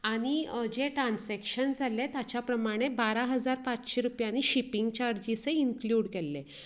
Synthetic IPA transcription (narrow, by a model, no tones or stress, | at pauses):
aɽ̃id͡ʑeʈɾãnsɛkɕənd͡zʱalːet̪jat͡ɕjapɾəmaɽ̃ebaɾaɦəd͡zaɾpat͡ɕɕeɾupjanːiɕipiŋɡt͡ɕaɾd͡ʑiseiŋkljuːɽkelːe